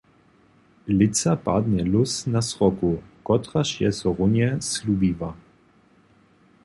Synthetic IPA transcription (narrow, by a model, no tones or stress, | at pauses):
lɪsapa̰d̪nɛlʊsnasʁɔkukɔt̪ɾaʃjɛzɔʁʊnjɛslubiva